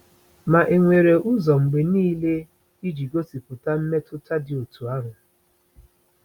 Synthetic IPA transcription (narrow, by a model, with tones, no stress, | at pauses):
ma˨ʔe˨ŋʷe˨ɾe˨ʔu˦zɔ˨ŋ͡m̩˨ɡ͡be˨niː˦le˦ | i˦d͡ʒi˨ɡo˦si˨pʊ˨ta˦m̩˦me˦tʊ˦ta˦dɪ˨o˨tu˨a˦ɾʊ˨